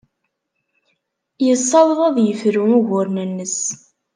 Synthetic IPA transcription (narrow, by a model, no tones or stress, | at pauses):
jəsˤːɑðˤɾˤæðjəfɾuuʝʊɾnənːəs